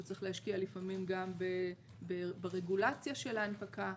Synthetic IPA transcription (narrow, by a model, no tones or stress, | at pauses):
tt͡sʁiχlehaʃkialifamimɡambe | bebeʁeɡulat͡sjaʃe̞laːnpaka